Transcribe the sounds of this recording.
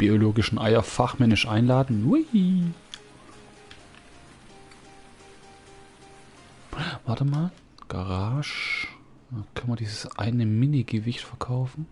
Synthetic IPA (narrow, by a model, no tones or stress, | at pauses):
b̥ioloːɡɪʃn̩ʔaɪɐfaχmɛnɪʃʔaɪnlaːdn̩we | vaɐtəmaːl | ɡ̥a̰ʁaːʃ | kʰœnmiɐdiːzəsʔa̰ɪnəmɪniɡəvɪçtfɛɐkʰaʊfn̩